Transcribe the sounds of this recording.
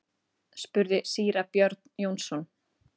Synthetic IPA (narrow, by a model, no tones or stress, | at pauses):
spʏɾðɪsiːɾapjœɾt̪njownsɔn